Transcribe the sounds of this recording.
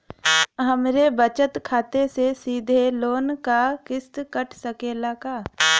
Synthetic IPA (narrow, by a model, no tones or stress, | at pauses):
ɦəmɾebət͡ʃət̪kʰaːt̪esesiːd̪ʱeloːnkakɪst̪kəʈʰsəkeːlaːkaː